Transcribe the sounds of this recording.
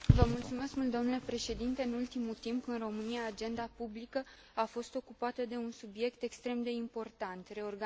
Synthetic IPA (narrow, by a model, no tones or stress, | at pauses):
vəmult̪sume̞skmult̪d̪omnule̞pɾe̞ʃe̞d̪int̪e̞ɨnult̪imut̪impɨnro̞mɨniaːd͡ʒe̞nd̪apublikə | afo̞st̪o̞kupat̪əd̪e̞unsubje̞kt̪e̞kst̪ɾe̞md̪e̞impo̞rt̪ant̪re̞orɡa